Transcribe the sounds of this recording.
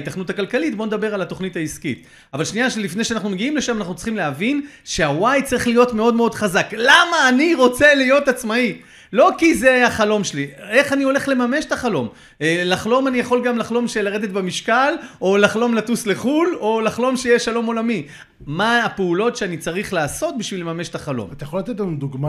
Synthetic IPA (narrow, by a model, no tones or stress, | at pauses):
it̪aχnutakalkalitboned̪abe̞ʁalat̪o̞χnithaiskḭt̪ | avalʃnijaʃelifneʃeanaχnumeɡiimle̞ʃamanaχnutt͡si̥χimleavin | ʃeawajt͡saʁiχlijo̞tme̞o̞dmeo̞dχazaklamaːniʁo̞t͡se̞lijo̞t̪at͡smai | lo̞kize̞jaχalo̞mʃelie̞χanio̞le̞χle̞mame̞ʃe̥t̪aχalo̞m | laχlo̞manijaχo̞lɡamlaχlo̞mʃelaʁed̪e̞t̪̚bemiʃkalolaχlo̞mlatusle̞χulo̞laχlo̞mʃejeʃalo̞mo̞lami | maːpeulo̞tʃeanit͡saʁiχlaːso̞t̪̚biʃvilemame̞ʃet̪aχalo̰mat̪ajaχolat̪et̪lanud̪uɡma